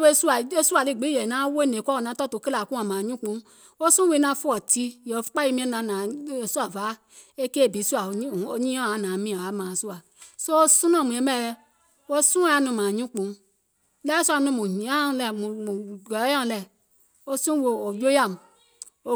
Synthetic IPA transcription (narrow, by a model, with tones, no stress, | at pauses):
e˦su˦a˨e˦su˦a˨li˦˨ɡ͡bi˨˦jɛ˨nã˨˦wo˦˨ne˨kʷɔ˦˨nã˨˦tɔ˦to˨ke˦la˨ku˦a˨mã˨ɲũ˦k͡pũ˨˦ | wo˦su˦we˨˧˦nã˧˦fu˦ɔ˨ti˧jɔ˨fk͡pa˦ji˦mĩ˦na˨na˨˦˨su˦a˨va˨˦ | e˦ke˦˨bi˨˦su˦a˨˦˨o˨ɲi˦ɔ˦˨a˨˦˨nã˨mĩ˦a˨a˨˦mã˨su˦a˨ | so˦o˦su˦nɔ˦˨mũ˨ɛ˨˦mɛ˦˨˧ | wo˦sũ˦a˨˧˨nu˧˨mã˨ɲũ˦k͡pũ˨˦ | lɛ˦su˦a˨nũ˧˦˨mu˨ɲi˨a˦˧˦lɛ˨mu˨ɡɔ˨˦a˦˨lɛ˨ | o˦sũ˦wo˨jo˦ja˦˨m˨ | o˦